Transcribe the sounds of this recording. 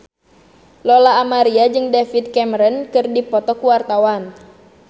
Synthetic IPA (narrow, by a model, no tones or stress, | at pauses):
lɔlaːmaɾiad͡ʒɨŋdɛfit̪̚kɛmɾənkɨrdipɔt̪ɔkuwart̪awan